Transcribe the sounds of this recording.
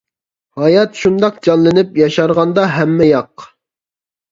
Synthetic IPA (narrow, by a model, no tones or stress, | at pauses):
hɑjɑt̪ʃund̪ɑq̚d͡ʒɑnlˠɪnɪpjɑʃɑɾʁɑnd̪ɑɦɛmːɛjɑq